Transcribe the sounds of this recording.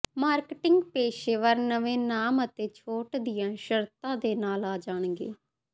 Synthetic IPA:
maːɾkʈɪ̃ŋɡpeːʃeːʋəɾnəʋẽːnaːmət̪eːt͡ʃʰoːʈd̪ɪjãːʃəɾt̪ãːd̪eːnaːlaːd͡ʒaːɳ̃ɡḛː

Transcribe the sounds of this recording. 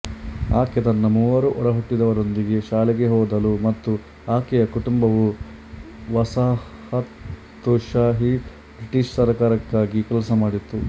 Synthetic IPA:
a̰ːkjɐt̪ɐnːɐmuːʋɐɾuʔɔɽɐɦuʈːid̪ɐʋɐɾo̞nd̪iɡe̞ʃaːlɛɡeɦɔːd̪ɐlumɐt̪ːu | aːkɛjɐkuʈumbɐʋu | ʋɐsa | hɐt̪ː | uʃaːɦi | bɾiʈiʂsɐɾkaːɾɐkːaːɡikɛlɐsɐmaːɽit̪ːu

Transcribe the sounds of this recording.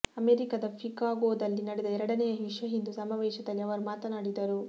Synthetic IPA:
ɐmeːɾikɐd̪ɐpʰikaːɡoːd̪ɐlːinɐɽɛd̪ɐɛɾɐɽɐnɛjɐɦiʂɐɦind̪usɐmaːʋɛːʃɐd̪ɐlːiɐʋɐɾumaːt̪ɐnaːɽid̪ɐɾu

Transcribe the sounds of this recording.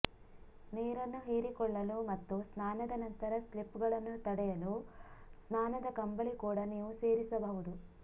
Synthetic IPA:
neːɾɐnːuɦeːɾikɔɭːɐluːmɐt̪ːusnaːnɐd̪ɐnɐnt̪ɐɾɐslipːɡɐɭɐnːut̪ɐɽɛjɐluːsnaːnɐd̪ɐkɐmbɐɭikuːɽɐniːʋuseːɾisɐbɐʋud̪u

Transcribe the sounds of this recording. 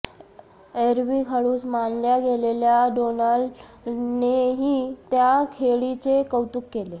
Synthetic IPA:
eɾʋiːkʰaɽuːsmanljaɡeleljaɖonəl | neɦiːt̪jakʰeɭit͡sekəwt̪ukːele

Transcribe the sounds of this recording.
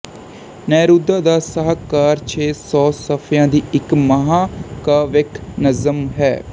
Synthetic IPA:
nɛːɾuːd̪aːd̪aːsəɦakaːɾt͡ʃʰeːsɔːsəpʰjãːd̪iːɪkməɦãːkaːʋɪkʰnəzəmɦɛː

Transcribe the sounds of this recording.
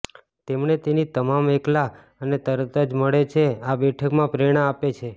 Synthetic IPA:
t̪emɳet̪enit̪əmamekla | ənet̪əɾt̪əd͡ʒməɭet͡ʃʰeabɛʈʰəkmãpɾeɽ̃aːpet͡ʃʰe

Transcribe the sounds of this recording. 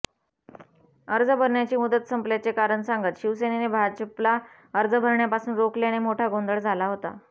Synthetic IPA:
əɾd͡zəbʱəɾɳjat͡ɕiːmud̪ət̪səmpljat͡sekaɾəɳsaŋɡət̪ɕiʋsenenebʱad͡ʑəpla | əɾd͡zəbʱəɾɳjapasuːnɾokleaɽ̃imoʈʰaɡond̪əɭd͡zʱalaɦot̪a̰

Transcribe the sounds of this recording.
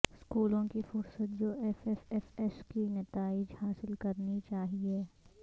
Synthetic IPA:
skuːlõkifʊɾsət̪̚d͡ʒoːʔɛfɛfɛfɛskinɐt̪aːɪd͡ʒhaːsɪlkɐɾnit͡ʃaːɦieː

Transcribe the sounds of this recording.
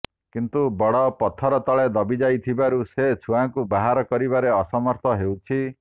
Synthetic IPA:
kint̪ubɔɽɔpɔt̪ʰːɔɾɔt̪ɔɭed̪ɔbid͡ʒajt̪ʰibaɾuset͡sʰuaŋkubaɦaɾɔkɔɾibaɾeɔsɔmɔɾt̪ʰɔɦewt͡ʃʰi

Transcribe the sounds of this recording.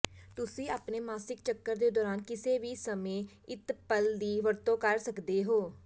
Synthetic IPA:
t̪ʊsĩːaːpneːmaːsɪk̚t͡ʃəkːəɾd̪eːd̪ɔːɾaːnkɪseːʋiːsəmẽː | ɪt̪pəld̪iːʋəɾt̪õːkəɾsəkd̪eːɦoː

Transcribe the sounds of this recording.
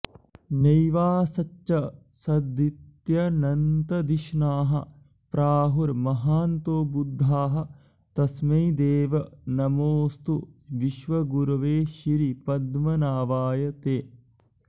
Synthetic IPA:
nɐjʋaːsɐt͡ʃt͡ʃɐsɐd̪it̪jɐnɐnt̪ɐd̪iʃnaːɦɐ̰ | pɾaːɦuɾmɐɦaːnt̪oːbud̪ʱːaːɦɐ̆ | t̪ɐsmɐjd̪eːʋɐnɐmoːst̪uʋiʃʋɐɡuɾɐʋeːʃiɾipɐd̪mɐnaːʋaːjɐt̪eː

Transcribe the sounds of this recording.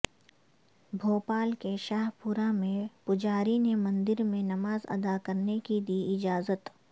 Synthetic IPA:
bʱoːpaːlkeʃaːɦpʊɾamẽpʊd͡ʒaːɾinemɐ̃nd̪ɪɾmẽnɐmaːzɐ̰d̪akɐɾnekid̪iɪd͡ʒaːzət̪

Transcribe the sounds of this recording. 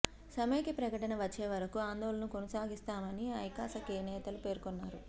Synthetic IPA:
sɐmejkipɾɐkɐʈɐnɐʋɐt͡ʃːeːʋɐɾɐkuaːnd̪oːlɐnukonɐsaːɡist̪aːmɐniɐjkaːsɐkeːnɛːt̪ɐlupe̞ːɾkoɔnːaːɾu

